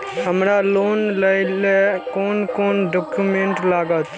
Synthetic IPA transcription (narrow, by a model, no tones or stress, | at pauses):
ɦəmɾalonləɪlekoːnkonɖɔkjumeɳʈlaɡət̪